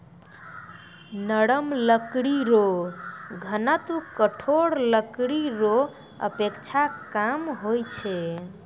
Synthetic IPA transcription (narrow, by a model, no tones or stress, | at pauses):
nəɽəmləkɽiɾo | ɡʱənat̪ukəʈʰoɽləkɽiɾo | ə̰pekt͡ʃʰakamɦojt͡ʃʰɛ